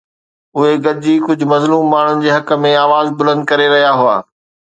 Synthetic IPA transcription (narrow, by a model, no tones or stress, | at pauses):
ʊɦeɡɐɾɪd͡ʑiːkʊd͡ʑʱʊ̆mɐzluːmːaːɳ̤ʊnɪ̆d͡ʑeːɦɐkə̆mẽaːʋaːzbʊlə̃nd̪̚kɐɾeɾɐɦijaɦʊa̰ː